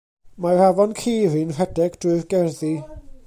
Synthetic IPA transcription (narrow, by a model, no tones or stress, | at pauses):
maravɔnkʰeːɾinr̥ɛdɛɡd̥rʊɨðɡɛrði